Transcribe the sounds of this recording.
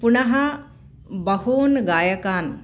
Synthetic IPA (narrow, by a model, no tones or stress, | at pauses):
punɐɦɐ | bɐhoːnɡaːjɐkaːn